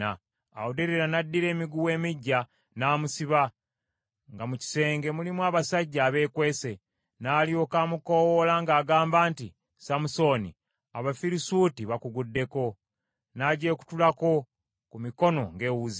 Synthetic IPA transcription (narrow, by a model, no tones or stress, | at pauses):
a | a̰odeɾeɾanadːiɾe̞ːmiɡuwe̞ːmiɟːa | naːmusiβa | ŋɡamuci̥se̞ːŋɡe̞mulimwaːβasaɟːaːβe̞ːkwe̞ːse̞ | naːlio̞kaːmukowolaŋɡaːɡaːmbaːnti | samuso̞ːni | aβafiɾisuːtiβakuɡudːe̞ko̞ | naɟe̞ːku̥tulako̞ | kumiko̞no̞ŋɡe̞ːwuzi